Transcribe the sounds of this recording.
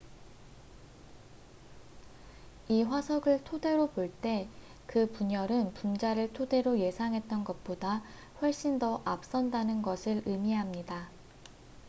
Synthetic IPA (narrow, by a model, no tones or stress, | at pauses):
iɸwasʰʌɡɯɭtʰode̞ɾopoɭt͈e̞ | kɯpuɲʌɾɯnpund͡ʑaɾɯɭtʰode̞ɾoje̞sʰaŋɦe̞t̚t͈ʌnɡʌt̚p͈oda | ɸwʌɭɕ͈indʌʔap̚s͈ʌndanɯnɡʌsʰɯɾɯmiɦamɲida